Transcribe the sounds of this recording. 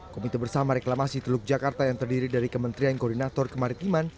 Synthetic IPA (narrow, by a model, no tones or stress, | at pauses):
komit̪abərsamaɾɛklamasit̪əluk̚d͡ʒakart̪ajaŋt̪ərdiɾidaɾikəmənt̪ɾiankɔrdinat̪ɔrkəmaɾit̪iman